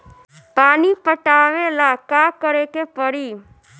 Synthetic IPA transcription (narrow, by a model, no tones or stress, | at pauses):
paːnipəʈaʋelakakəɾekepəɽiː